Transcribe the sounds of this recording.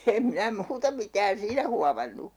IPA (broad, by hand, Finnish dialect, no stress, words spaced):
em minæ muːtɑ mitæːn siːnæ huɑmɑnːu